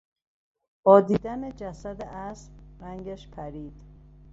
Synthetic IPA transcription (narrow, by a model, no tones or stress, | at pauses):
b̥ɒːd̪iːd̪æned͡ʒæsæd̪eʔæsbɾæŋɡæʃpʰæɾiːd̪̥